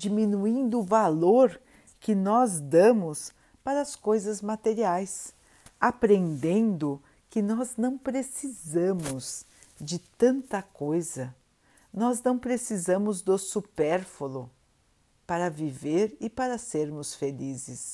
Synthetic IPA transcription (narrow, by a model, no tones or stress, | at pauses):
d͡ʒimĩnuĩnd̪ʊːvaloɾ | kɪnɔzd̪ɐ̃mʊs | paɾɐːskojzɐzmat̪eɾiajs | apɾẽnd̪ẽnd̪ʊ | kɪnɔznɐ̃w̃pɾesizɐ̃mʊz | d͡ʒɪt̪ɐ̃nt̪ɐkojzɐ | nɔznɐ̃w̃pɾesizɐ̃mʊzd̪ʊsupɛɾfolʊ | paɾɐviveɾɪpaɾɐseɾmʊsfelizɪs